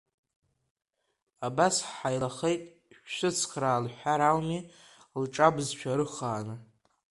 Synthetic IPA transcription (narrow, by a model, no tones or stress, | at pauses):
abasħħajlaχejtʼ | ʃʷɨt͡sʰkʰraːlħʷaɾalmi | lʈ͡ʂʼabzt͡ʃʷʰaɾɨχaːnɨ